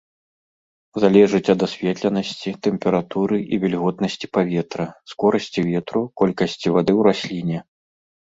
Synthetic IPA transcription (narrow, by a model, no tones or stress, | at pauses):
zalʲɛʐɨt͡sʲɐd̪asʲvʲɛt̪lʲɐnɐsʲt͡sʲit̪ɛmpʲɛɾat̪uɾɨʔivʲɛlʲɣɔt̪nɐsʲt͡sʲi̥pavʲɛt̪ɾɐskɔɾɐsʲt͡sʲivʲɛt̪ɾukɔlʲkɐsʲt͡sʲivad̪ɨwɾasʲlʲinʲɛ